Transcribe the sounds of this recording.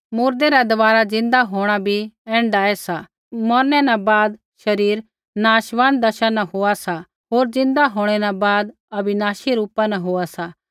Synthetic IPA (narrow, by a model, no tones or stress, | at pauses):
muːɾd̪eɾad̪ɐʋaːɾad͡zɪ̃nd̪aɦoːɽ̃abʱiɛ̃ːɳɖaːɛsa | mɔɾnɛnãbaːd̪ | ʃɐɾiːɾ | naːʃʋãːnd̪ɐʃãnɐɦoːasa | ɦoːɾd͡zɪ̃nd̪aɦoːɽ̃ɛnãbaːd̪ | ɐbɪnaːʃiɾuːpãnɐɦoːasaː